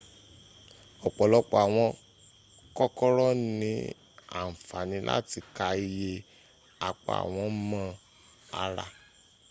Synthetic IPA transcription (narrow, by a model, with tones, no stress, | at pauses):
ɔ˨k͡pɔ˨lɔ˧k͡pɔ˨a˨w̃ɔ̃˧ | kɔ˦kɔ˦ɾɔ˦nĩ˧˦ | a̰˦˨m̩˨fa˨nĩ˧˦la̰˦ti˧ka˧i˧je˧ | a˨k͡pa̰˨a̰˨w̃ɔ̃˧˦mã˦ | a̰˧ɾa˧